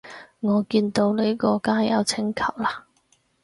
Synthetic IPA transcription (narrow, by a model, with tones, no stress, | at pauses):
ŋɔː˨˧kiː˧nt̪o˧wle˨˥jkɔː˧kaː˥jɐ̰˨˧wt͡sʰɪ˨˥ŋkʰɐ˨˩wlaː˧˥